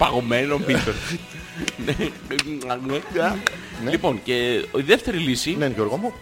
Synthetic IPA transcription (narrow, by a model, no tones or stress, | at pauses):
pɐɣomenoit̪o | ne | ne | nlipo̞nceiðeft̪e̞ɾilisinenʝoɾɣoɐmu